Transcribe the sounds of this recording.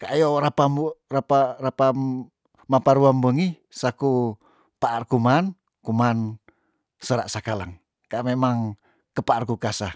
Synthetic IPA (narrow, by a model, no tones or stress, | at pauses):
kajoɾapamrapaɾapam | mapaɾuambəŋi | saku | paʔːrkuman | kuman | səɾa̰ʔsakalaŋ | kamemaŋ | kəpaʔːrkukasa